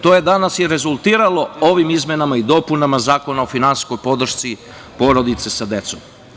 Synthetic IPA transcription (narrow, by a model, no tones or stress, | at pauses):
t̪oje̞d̪anasjeɾe̞zulˠt̪iːɾalo̞o̞ʋimizmʲje̞namaid̪o̞punamazaːko̞naofinansi̥sko̞jpo̞d̪ɾ̩r̩ʃt̪si | po̞ɾo̞d̪it̪sesad̪e̞t̪so̞m